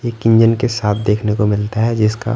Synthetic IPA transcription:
eːkɪ̃ɲd͡ʒənkesaːt̪ʰd̪eːkʰnekomɪlt̪aɦɛd͡ʒɪska̰

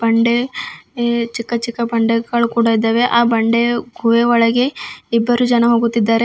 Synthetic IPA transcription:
bɐɳɖe | t͡ʃikːɐt͡ʃikːɐbɐɳɖeɡɐɭukuːɽaid̪ːɐːʋeʔaːbɐɳɖeɡʱuʋeʋɐɭɐɡe̞ibːɐɾud͡ʒɐnɐɦoːɡut̪ːid̪ːaːɾe

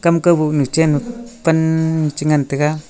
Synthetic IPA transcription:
kamkabunut͡ʃenupanːut͡ʃiŋant̪eka

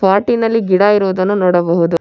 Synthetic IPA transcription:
paːɾʈinɐlːiɡiɽaːiɾuʋd̪ɐnːunɔːɽɐbɐɦud̪u

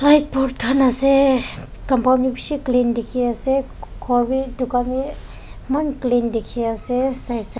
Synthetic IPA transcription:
lajt̚pɔɾt̚kʰanase | kɐmpawmnibisiklindekʰiase | kʰɔɾbidukami | mɐnklindekʰiasesajs

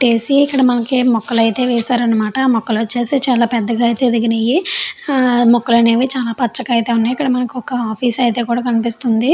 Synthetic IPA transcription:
t͡ʃeːsiːkːɐɽɐmɐnɐkimɔkːɐlɐjt̪e̞ːʋɛːsaːɾɐnːɐmaːʈɐːmɔkːɐloːt͡ʃe̞ːseːt͡ʃaːlaːpɛd̪ːɐɡajt̪e̞ːd̪iɡinejːi | mɔkːɐlɐneːʋit͡ʃaːlaːpɐt͡ʃːɐkɐjit̪eːunːajikːɐɽɐmɐnɐkiɔkɐaːpʰiːsɐjt̪e̞ːkuːɽaːkɐnipist̪und̪i

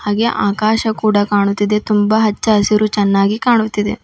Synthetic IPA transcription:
haːɡe̞ʔaːkaːʃɐkuːɽɐkaːɳut̪ːid̪e̞t̪umbɐɦɐt͡ʃːɐːsiɾut͡ʃɛnːaːɡikaːɳut̪ːid̪e̞

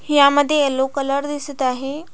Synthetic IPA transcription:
jaməd̪ʱːjeelokələɾd̪isət̪aɦe

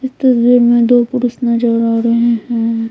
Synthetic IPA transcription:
ɪst̪ɐsbiːɾmẽd̪oːpʊɾʊsnad͡ʒəːɾaːɾɐɦẽɦɛ̃ː

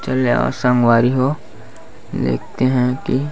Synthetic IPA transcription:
t͡ʃɐleɔ̰ːɾsə̃ŋɡwaːɾiɦo | d̪ḛːk̚ʰt̪eɦɛ̃ki

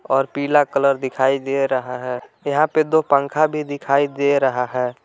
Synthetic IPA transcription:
ɔːɾpiːlakələɾd̪ɪkʰaːid̪eɾəɦaɦɛːjɐɦãped̪opə̃ŋkʰabʱid̪ɪkʰaːid̪eɾəɦaɦɛː

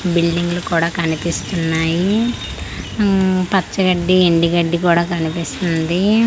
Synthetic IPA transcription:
biɭɖiŋɡlukuːɽaːkɐnipist̪unːaːji | pɐt͡ʃt͡ʃːɐɡɐɖːieɳɖiɡɐɖːik̬uːɽaːkɐnipist̪und̪i

